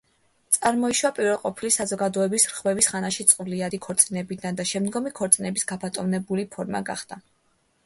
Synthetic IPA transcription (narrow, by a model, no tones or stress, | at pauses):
t̪sʼaɾmɔiʃwapʼiɾvɛlˠqʼɔpʰilisazɔɡad̪ɔɛbisɾʁvɛvisχanaʃit̪sʼqʼvliad̪ikʰɔɾt̪sʼinɛbid̪and̪aʃɛmd̪ɡɔmikʰɔɾt̪sʼinɛbisɡapʰat̪ʼɔvnɛbulipʰɔɾma̰ɡa̰χd̪̥a